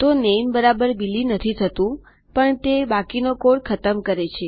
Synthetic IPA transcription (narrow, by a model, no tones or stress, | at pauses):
t̪onembəɾabəɾbilinət̪ʰit̪ʰət̪ũ | pəɳt̪ebakinokoɽkʰət̪əmkəɾet͡ʃʰe